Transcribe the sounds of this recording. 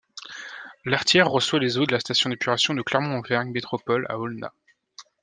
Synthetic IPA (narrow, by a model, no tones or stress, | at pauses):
laʁt̪jɛʁːəswalezod̪əlast̪asjɔ̃d̪epʰyʁasjɔ̃d̪əklɛʁmɔ̃ːvɛʁɲmet̪χɔpɔla̰ɔlna̰